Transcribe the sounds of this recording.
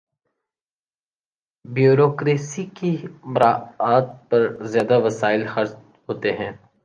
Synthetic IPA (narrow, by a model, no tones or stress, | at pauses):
bjoːɾoːkɾeːsikimʊɾaːaːt̪̚pɐɾzjaːd̪aʋɐsaːɪlxɐɾt͡ʃ | ɦoːt̪eɦɛ̃ː